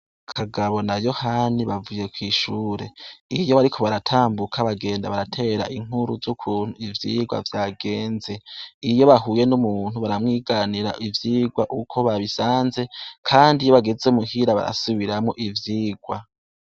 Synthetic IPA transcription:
kʰaɡaβo̞najo̞haniβavuje̞kwiːʃuːɾe̞ijo̞βaɾikʰo̞βaɾatʰaːmbukʰaβaɡe̞ːndaβaɾatʰe̞ɾa̰ʔiŋ̥uɾuzukʰuːn̥uivjiɡwa̰vjaːɡe̞ːnze̞ijo̞βaɦuːje̞numuːn̥huβaɾamŋiːɡaniɾaʔivjiːɡwaʔukʰo̞βaβisaːnze̞kʰaːndijoβaɡe̞zeumuhiɾaβa̰ɾa̰suβiɾamŋoʔivjiːɡwa

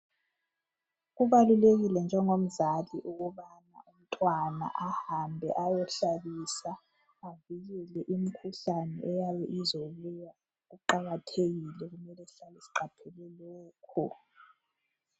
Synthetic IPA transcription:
ɣuβaluleɣilɛnd͡ʒʱɛŋom̩zaliʔuɣuβana̰um̩tʼwana̰ʔahambʱɛ̰ʔajɔɬaβisaː | viɣɛlɛʔim̩kʰuɬanɛ̰ʔɛjaβɛʔizoβuja | uǃaɣatʰeɣilɛɣumɛlɛɬalɛsi̥ǃapʰɛlɛlɛːkʰɔ

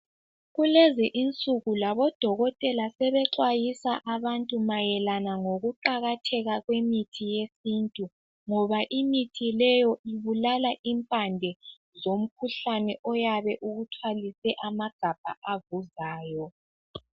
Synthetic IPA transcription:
ɣulɛzɛʔint͡sʼuɣulaβɔd̥ʱɔɣɔtʼɛlasɛβɛǁwajisaʔaβantʼumajɛlanaŋoɣuǃaɣatʰɛɣaɣwemitʰijesintʼu | ŋɔβaʔimitʰilɛjɔiβulalaʔimpʼandʱɛ | zom̩kʰuɬanɛʔɔjaβɛʔuɣutʰwalisɛʔamaɡ̥ʱab̥ʱa̰ʔavuzaːjɔ

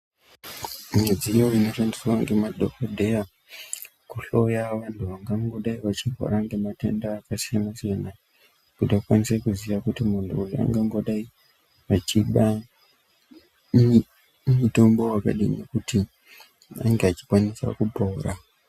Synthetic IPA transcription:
med͡zijoino̞ʃandiswaŋɡemadʱokodʱe̞ja | kuɬo̞jaʋantʰuʋaŋɡaŋɡo̞ɗaiʋat͡ʃiɦo̰ɾaŋɡe̞mate̞̰ndaːkasijanasijana | kutakwanisekuziʋakutimuntʰuulua̰ŋɡaŋɡo̞ɗai | ʋat͡ʃiɓa | muto̞mbo̞waka̰ɗinḛkuti | a̰ŋɡeat͡ʃi̥kwanisa̰kubʱoːɾa

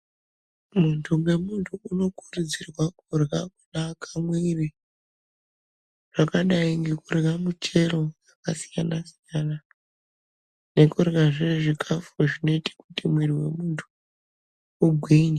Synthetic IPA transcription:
muntʰumwe̞muntʰuːno̞kurud͡zirwakurɣak̚unakamwiri | ʐ̥akaɗaiŋɡe̞kurɣamut͡ʃe̞ɾo̞jakasijanasijana | ne̞kurɣaʐiʐikʰafuʐino̞iti̥kutimwiriwe̞̰muntʰu̥ː | ɡʱwine

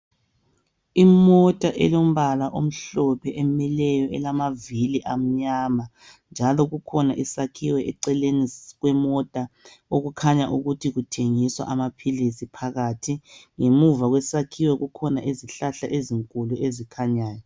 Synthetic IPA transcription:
imɔtʼaʔɛ̰lom̩βalaʔom̩ɬɔpʰɛʔɛmɛlɛjɔɛlamaviliʔam̩ɲaːma | nd͡ʒʱalɔɣukʰɔnaʔisakʰiwɛʔɛǀɛleniɣwɛmɔtʼaoɣukʰaɲaʔuɣutʰiɣutʰeŋiswa̰ʔamapʰilisipʰaɣatʰiŋemuvaɣwɛsakʰiwɛɣukʰɔnaʔeziɬaɬa̰ʔeziŋkʼuluezikʰaɲaːjɔ

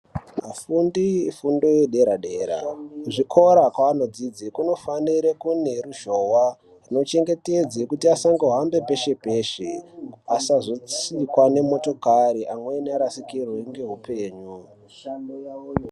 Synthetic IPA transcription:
afundifundo̞jeɗe̞ɾaɗe̞ːɾa̰ʐikʰo̞ɾakwaːno̞d͡zid͡zikuno̞faniɾekune̞ruʒowa | rino̞t͡ʃe̞ŋɡe̞ted͡zekutiasaŋɡeɦambe̞pe̞ʃe̞pe̞ːʃeasaʐot͡sikwane̞mo̞to̞kaɾiʔamwenaɾasikirweŋɡe̞ɦupe̞ːɲu

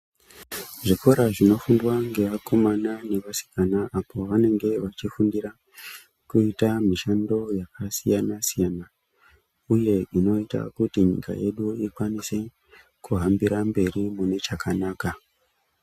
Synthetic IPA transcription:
ʐiko̞ɾaʐino̞fundwaŋɡe̞ʋako̞manane̞ʋasi̥kanaʔapʰo̞ʋane̞ŋɡe̞ʋat͡ʃifundira | kuitamiʃando̞jakasijanasijana | uje̞ino̞ita̰kutiɲḭka̰je̞ɗuikwanise̞ | kuɦambiɾambe̞rimune̞t͡ʃakʰanaːka

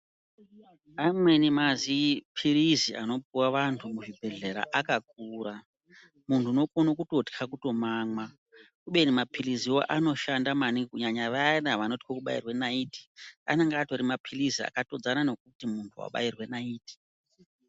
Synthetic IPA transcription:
amwe̞nimazipʰiriziʔano̞puwaʋantʰumuʐibʱe̞ɮe̞ɾa̰ʔakak̚uːɾa | muntʰuno̞konokutotkʰakuto̞maːmwa | kuɓe̞nimapʰiriziwoʔano̞ʃandamanikuɲaɲaʋanaʋano̞ti̥kokuɓa̰ḭrwe̞naiːti̥a̰neŋɡaːto̞ɾimapʰirizia̰kato̞d͡zanano̞k̚utimuntʰuwa̰ɓa̰irwe̞naiːti̥

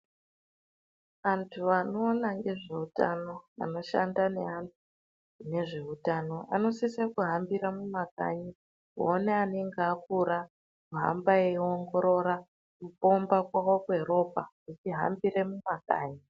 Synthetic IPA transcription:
ʋantʰuʋano̞ːnaŋɡe̞ʐe̞uta̰no̞a̰no̞ʃa̰ndane̞antʰu | ne̞ʐe̞utano̞a̰no̞sisakuɦambiɾamumaka̰ɲi | uoneaneŋɡeakuɾa | kuɦa̰mbaeoŋɡo̞ɾo̞ɾa | kupo̞mbakwawokueɾo̞pa̰kut͡ʃiɦa̰mbiɾe̞mumaka̰ːɲi

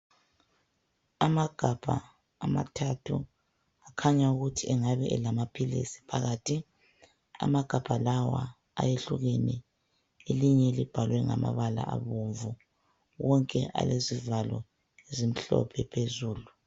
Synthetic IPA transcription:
amaɡ̥ʱab̥ʱa̰ː | matʰatʰu | akʰaɲauɣutʰiɛŋaβɛʔɛlamapʰilḭsi̥pʰaɣaːtʰi | a̰maɡ̥ʱab̥ʱalawa | ajeɬuɣeni | eliɲɛlib̥ʱalwɛŋama̰βala̰ʔa̰βoɱvu | ɣɔŋkʼɛʔa̰lezivalɔ | ezim̩ɬɔ̰pʰɛpʰezuːlu

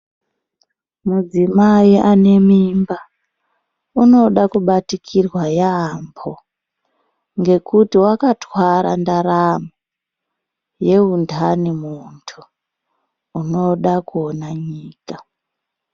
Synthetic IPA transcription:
mud͡zimaiʔane̞mimba | uno̞ɗakuɓatikʰirwajaambʰo | ŋɡe̞kutiwakatwaɾa̰ndaɾamu | je̞undʱanimuntʰu | no̞ɗakuonaɲiːka

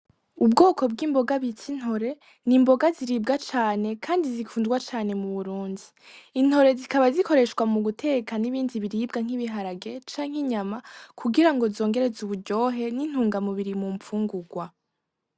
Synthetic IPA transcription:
ubɡo̞ːkʰo̞b̚ɡiːmbo̞ɡaβitʰin̥ho̞ɾe̞ | nimbo̞ɡaziɾib̚ɡat͡ʃaːne̞kʰaːndizikʰuːndɡwat͡ʃaːne̞muβuɾuːndiː | n̥ho̞ɾe̞zikaβazikʰo̞ɾe̞ʃɡwamuɡutʰe̞kaniβiːndiβiɾib̚ɡaŋ̥iβiɦaɾaɡe̞t͡ʃaːɲheɲamakʰuɡiɾaŋɡo̞zo̞ːŋɡe̞ɾezuβuɟo̞ːɦe̞nin̥huːŋɡamuβiɾimumfuːŋɡuɡwa

